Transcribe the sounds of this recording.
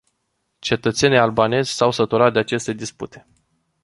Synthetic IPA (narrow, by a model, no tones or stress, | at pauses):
t͡ʃe̞t̪ət̪se̞nijalbane̞zʲsawsət̪uɾat̪̚d̪eat͡ʃe̞st̪e̞d̪isput̪e̞̥